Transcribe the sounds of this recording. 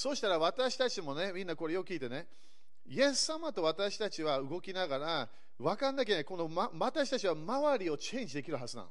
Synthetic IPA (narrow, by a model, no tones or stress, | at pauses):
so̞ːɕi̥t̪aɾaβat̪aɕi̥t̪at͡ɕimo̞ne̞mʲĩnːako̞ɾe̞jokɯkʲiːt̪e̞ne̞ | ie̞sːamat̪o̞βat̪aɕi̥t̪at͡ɕiβaɯ̟ɡo̞kʲinaɡaɾa | βakãnːak̬eɲeko̞no̞maat̪aɕi̥t̪at͡ɕiβamaβaɾʲio̞t͡ɕẽ̞ːɲ̟d͡ʑid̪ekʲiɾɯ̟ɦazɨnã̰